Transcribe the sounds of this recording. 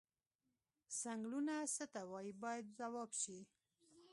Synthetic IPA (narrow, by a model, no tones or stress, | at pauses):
saŋɡlunasət̪awɑjibɑjad̪̚zawɑbʃi